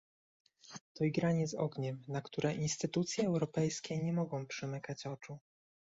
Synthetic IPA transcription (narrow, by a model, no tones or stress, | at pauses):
t̪ɔiɡɾaɲɛzɔ̰ɡɲɛmnakt̪uɾɛʔinst̪ɘt̪ut̪sʲjɛːwɾɔpɛjskʲɛɲɛmɔɡɔ̃w̃pʂɛmɘkat͡ɕɔt͡ʂu